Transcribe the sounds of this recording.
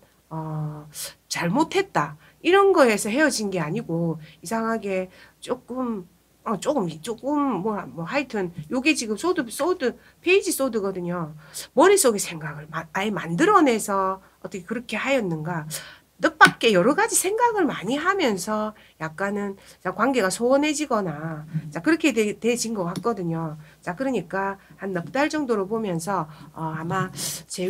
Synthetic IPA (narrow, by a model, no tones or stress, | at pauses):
ʌ | t͡ɕaɭmotʰe̞t̚t͈a | iɾʌnɡʌe̞sʰʌɦe̞jʌd͡ʑinɡe̞aɲiɡoisʰaŋɦaɡe̞t͡ɕ͈ok͈ɯm | ʌt͡ɕ͈ok͈ɯmit͡ɕ͈ok͈ɯmːʌmʌhaitʰɯnjoɡet͡ɕiɡɯms͈odɯs͈odɯ | pʰe̞id͡ʑis͈odɯɡʌdɯɲomʌɾis͈oɡesʰe̞ŋɡaɡɯɭmaaemandɯɾʌne̞sʰʌ | ʌt͈ʌkʰekɯɾʌkʰe̞hajʌnːɯnɡa | nɯp͈ak̚k͈e̞jʌɾʌɡad͡ʑisʰe̞ŋɡaɡɯɭmaɲiɦamjʌnsʰʌ | jak̚k͈anɯnt͡ɕakwanɡe̞ɡasʰoʌnɦe̞d͡ʑiɡʌnat͡ɕakɯɾʌkʰe̞twe̞t͡ɕinɡʌɡɦak͈̚ʌdɯɲot͡ɕakɯɾʌɲik͈ahanːʌp̚t͈aɭt͡ɕʌŋdoɾobomjʌns̬ʰʌʌamat͡ɕe̞